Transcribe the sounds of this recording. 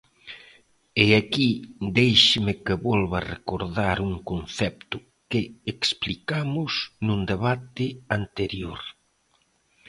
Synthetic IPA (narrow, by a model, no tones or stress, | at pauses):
eakid̪ejʃɪmɪkɪβɔlβarekoɾðaɾuŋkonθɛp̚t̪ʊ | kɪeksplikamʊsnũnd̪eβat̪ɪant̪eɾjoɾ